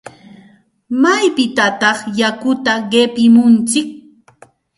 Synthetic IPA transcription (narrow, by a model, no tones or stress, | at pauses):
majpɪt̪at̪ɑχjakʊt̪aɢepɪmʊnt͡sɪk̚